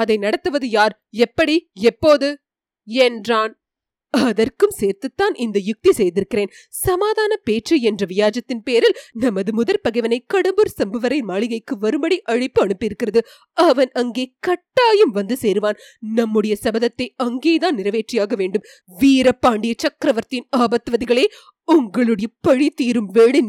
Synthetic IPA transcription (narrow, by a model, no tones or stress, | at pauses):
ɐðɐɪnɐɽɐt̪ːɯʋɐðɯjaːɾ | ɛpːɐɽiɛpːoːðɯ | ɛndraːn | ɐðɐrkɯmseːɾt̪ɯt̪ːaːnʔɪnd̪ɐjʊk̚t̪isɛjðɪɾɯkːɪɾeːn | sɐmaːðaːnɐpeːʈrɯɛndrɐʋɪjaːd͡ʒɐt̪ːɪnpeːɾɪlnɐmːɐðɯmʊðɐlpɐɣɐɪʋɐnɐɪkɐɽɐmbɯɾsɐmbɐʋɐɾɐɪmaːɭɪɣɐɪkːɯʋɐɾɯmbɐɽiʔɐɻɪpːɯɐɳɯpːɪɾɯkːɪrɐðɯ | ɐʋɐnɐŋɡeːkɐʈːaːjɯmʋɐnd̪ɯseːɾɯʋaːn | nɐmːɯɽɐjɐsɐbɐðɐt̪ːɐɪɐŋɡeːðaːnnɪɾɐʋeːʈrɪjaːɣɐʋeːɳɖɯm | ʋiːɾɐpːaːɳɖɪjɐt͡ʃɐkɾɐʋɐɾt̪ɪnaːbɐt̪ːɯʋɐðɪɣɐɭeː | ʊŋɡɐɭɯɽɐjɐpɐɻit̪iːɾɯmʋeːɭɪn